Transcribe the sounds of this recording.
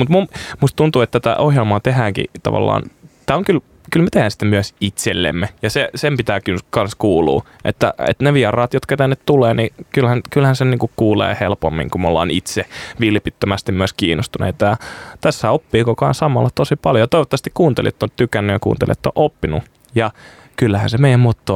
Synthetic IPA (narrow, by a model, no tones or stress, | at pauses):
mut̪mummust̪t̪unt̪uːet̪ːæt̪æ̰ʔohjelmɑːt̪ehæːŋkḭt̪ɑ̰ʋɑ̰lːɑ̰ːnt̪æːoŋkyl | kylmæt̪ehæːnsi̥t̪ːemyæsit̪selːḛmːejɑsesempit̪æːkynkɑnskuːlṵː | ʔḛt̪ːæ̰ḛt̪neʋiɑrɑːt̪jot̪kɑt̪ænːet̪t̪uleːnikylhænkylhænseniːŋkukuːlḛːhelpo̰mːḭ̃ŋkumolːɑ̰ːnit̪seʋiljpit̪ːømæst̪immyøskiːnːost̪unḛit̪ɑjɑt̪æsːæopːiːkokɑnsɑmɑlːɑt̪osipɑljojɑt̪oiʋot̪ːɑʋɑst̪ikkuːnt̪ḛliet̪ːot̪ykænːyjɑkṵːnt̪ḛlʔiḛt̪ːo̰ʔopːinu | jɑ | kylːæhæ̰nsemeijæmmot̪ːo